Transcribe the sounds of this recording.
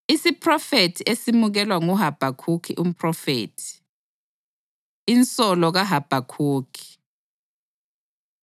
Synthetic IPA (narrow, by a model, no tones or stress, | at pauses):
isipʰʼrɔfetʰiʔesimuɣ̬ɛlwaŋuɦab̥ʱakʰukʰḭʔum̩pʰʼrɔfḛːtʰi̥ | int͡sʼɔlɔɣ̬aɦab̥ʱakʰuːkʰi̥